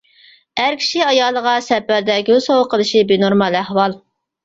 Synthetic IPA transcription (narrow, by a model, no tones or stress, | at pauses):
æɾkʲʰi̥ʃiɑjɑːlˠːəʁɑsɛpæɾd̪ɛɡʲøzsowəqʰəlˠɨʃibenoɾmɑlˠæhwɑlˠ